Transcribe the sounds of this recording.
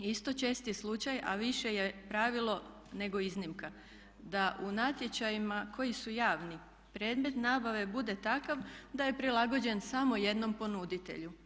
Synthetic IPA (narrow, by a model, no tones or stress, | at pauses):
ist̪o̞t͡ʃe̞ːst̪ijslˠut͡ʃaja̰ʋiʃe̞jepɾaʋilo̞ | ne̞ɡo̞iznimka | d̪aʔunat̪je̞t͡ɕajimakʰo̞jisujaːʋni | pɾe̞ːd̪me̞t̪naːbaʋe̞bud̪e̞t̪akaʋd̪aje̞pɾilˠaɡo̞d͡ʑe̞nsamo̞je̞d̪no̞mpo̞nud̪it̪e̞̰ʎu